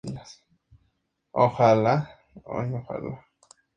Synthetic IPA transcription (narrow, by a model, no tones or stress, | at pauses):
las | ohala | o̰joxa̰la